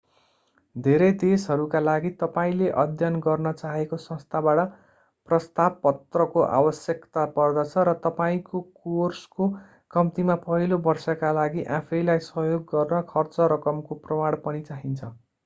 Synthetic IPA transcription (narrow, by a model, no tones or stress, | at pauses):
d̪ʱeɾʌjd̪esɦʌɾukalaɡit̪ʌpaĩleʔʌd̪ʱjʌnɡʌrnʌt͡saɦekosʌ̃st̪ʰabaʈʌ | prʌst̪ab̚pʌt̪rʌkoʔa̰bʌsjʌkt̪apʌrd̪ʌt͡sʰʌɾʌt̪ʌpaĩkokorsko | kʌmt̪imapʌɦilobʌrsʌkalaɡiʔãpʰʌjlajsʌɦjoɡːʌrnʌkʰʌrt͡sʌɾʌkʌmkoprʌmaɽpʌnit͡saɦint͡sʰʌ